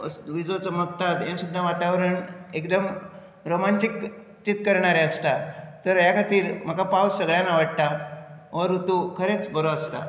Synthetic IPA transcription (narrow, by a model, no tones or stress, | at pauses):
ʋid͡zot͡səmək̚t̪ad̪jẽsud̪ʱːaʋat̪aʋɾəɳekd̪əm | ɾomanʈik | t͡ɕit̪̚kəɾɳaɾeəst̪at̪əɾjakʰat̪iːɾm̤əkapawsəɡɭjanaʋəɽ̚t̪aʋəɾut̪ukʰəɾet͡sbəɾoəst̪a̰